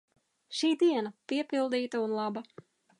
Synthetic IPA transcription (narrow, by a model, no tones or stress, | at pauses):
ʃiːd̪iɛnapiɛpilˠd̪iːt̪aunlˠɑba